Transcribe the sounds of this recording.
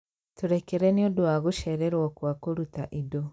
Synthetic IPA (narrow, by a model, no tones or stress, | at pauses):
tuɾekeɾɛneodoaɣuʃɛɾeɾwɔkwakoɾutaʔido